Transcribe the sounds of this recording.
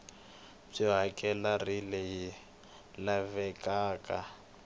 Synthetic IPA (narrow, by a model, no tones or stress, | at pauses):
b͡ʐiɦakʼɛlarileji | lavɛkʼaːkʼa